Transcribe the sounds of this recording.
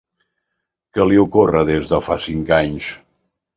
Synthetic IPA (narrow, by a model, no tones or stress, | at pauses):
kəliukorəðezðəfasiŋkaɲs